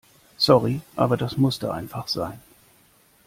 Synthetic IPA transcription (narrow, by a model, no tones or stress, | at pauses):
sɔʁiʔa̰ːbɐdasmʊstəʔa̰ɪnfaχz̥aɪn